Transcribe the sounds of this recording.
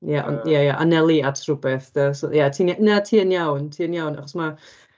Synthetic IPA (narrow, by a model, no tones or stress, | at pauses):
jaʔɔ̰njajaʔanɛlˠiatʰrʊbɛθd̥əsɔjatʰiːnjanatʰiːənjawntʰiːənjawna̰χɔsma